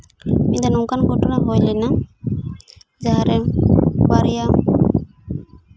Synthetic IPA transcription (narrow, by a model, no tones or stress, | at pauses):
mid̪anũŋkanɡʱɔʈɔnaɦojlina | d͡ʒaɦaɾɛbaɾija